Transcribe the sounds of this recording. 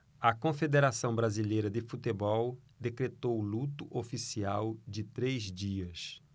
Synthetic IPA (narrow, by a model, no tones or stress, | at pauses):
ɐkõfed̪eɾasɐ̃w̃bɾazilejɾɐd̪ɪfut̪ebɔwd̪ekɾet̪owlut̪ʊʔofisiawd͡ʒɪt̪ɾezd͡ʒiɐs